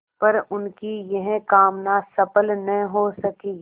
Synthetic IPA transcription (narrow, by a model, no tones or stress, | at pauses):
pɐɾʊnkijɐɦkaːmnasɐpəlnɐɦɦosɐkiː